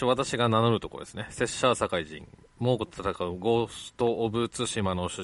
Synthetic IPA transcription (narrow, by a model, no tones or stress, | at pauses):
βat̪aɕiɡananoɾɯ̟t̪o̞ko̰d̪esɨne̞se̞ɕaːsakaiʑḭ̃ŋ | mo̞ːkot̪at̪akaɯ̟ɡo̞st̪o̞ʔːbɯt͡sɨɕimanoɕɨ